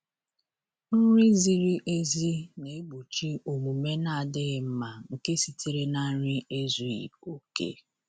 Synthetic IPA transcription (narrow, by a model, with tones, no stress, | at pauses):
n̩˦ɾi˦zi˦ɾi˦ʔe˦zi˦ne˨e˦ɡ͡bu˨t͡ʃi˦o˨mu˨me˦na˦a˨dɪ˦˨m̩˦ma˨ŋ̩˨ke˦si˨tʰe˨ɾe˦na˦n̩˦ɾi˦e˦zu˨ḭ˨o˨kḛ˦